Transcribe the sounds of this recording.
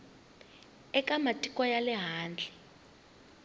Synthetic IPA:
ɛkʼamatʼikʼwajalɛɦaːnd͡ɮʱɛ

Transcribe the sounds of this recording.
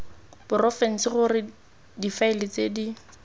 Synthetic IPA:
b̥ʊrɔfɛn̩sɪχʊrɪ | difaɪlɪt͡sʼedi

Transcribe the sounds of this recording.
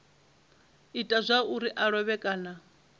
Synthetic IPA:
itʼazʷauɾiʔaɺɔβɛkʼaːna

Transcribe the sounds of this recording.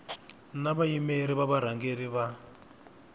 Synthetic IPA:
naβaimeɾiβaβaɾ̤aŋɡeɾiβa

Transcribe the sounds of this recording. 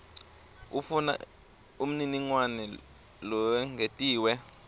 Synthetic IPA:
ufuna̰ | um̩niniŋwanɛ | lɔɛŋʱetʼiːwɛ

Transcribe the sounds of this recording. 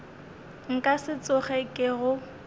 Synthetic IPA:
ŋ̩kʼasɪt͡sʼʊχɛkʼɪɣʊ

